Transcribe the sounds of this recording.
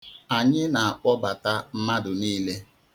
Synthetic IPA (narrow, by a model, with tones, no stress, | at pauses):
a˨ɲɪ˦na˨a˨k͡pɔ˦ba˨ta˦m̩˦ma˦dʊ˨niː˦le˦